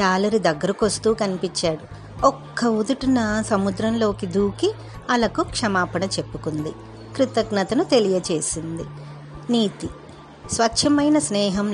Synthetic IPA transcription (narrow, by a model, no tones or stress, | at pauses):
aːlɐɾid̪ɐɡːɐɾɐkost̪uːkɐnipit͡ʃːaːɽu | ɔkːɐud̪uʈunɐsɐmud̪ɾɐmlo̞ːkid̪uːki | ɐlɐkukʂɐmaːpɐɳɐt͡ʃe̞pːukund̪i | kɾit̪ɐɡnɐt̪ɐnut̪e̞lijɐt͡ʃe̞ːsind̪i | niːt̪i | sʋɐtːʃʰɐmɐjnɐsnɛːɦɐm